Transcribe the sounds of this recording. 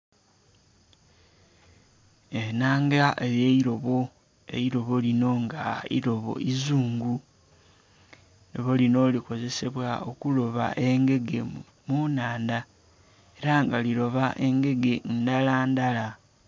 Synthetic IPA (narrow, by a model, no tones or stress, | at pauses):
enaːŋɡaʔeɾje̞iɾo̞βo̞ | e̞̰iɾo̞βo̞lino̞ŋɡaḭɾo̞βo̞̰ʔizuːŋɡu | neβolino̞ːliko̞ze̞se̞βwao̞kulo̞βa̰ʔe̞ŋɡe̞ɡe̞ | munaːnda | e̞ɾaŋɡalilo̞βaʔe̞ŋɡe̞ɡe̞ndalandala